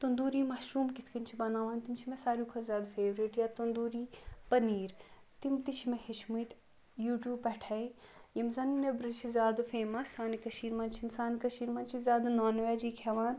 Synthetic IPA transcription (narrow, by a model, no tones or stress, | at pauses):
t̪und̪uːɾiːmaʃuːmkit̪ʰkɐnʲt͡ʃʰibɐnaːʋaːnt̪imt͡ʃʰimɛsaːɾjuːkʰɐzʲaːd̪feːʋɾiʈjat̪und̪uːɾiːpɐniːɾ | t̪imt̪it͡ʃʰimehiʃʰmujt̪ | juːʈjuːpɛʈʰɐijimzɐnnebɾit͡ʃʰizʲaːd̪feːmɐsaːnikɐʃiːɾmɐːnt͡ʃʰinsaːnkɐʃiːɾmɐːnt͡ʃʰizʲaːd̪naːnʋaːd͡ʒiːkʰɛʋaːn